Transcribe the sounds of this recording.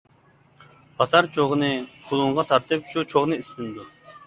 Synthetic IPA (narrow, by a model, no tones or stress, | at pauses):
pʰɑsɑɾt͡ʃʰoʁnɨqʰʊlˠuɴʁɑt̪ʰɑɾt̪ɨpʃut͡ʃʰoʁnɨisɨnd̪u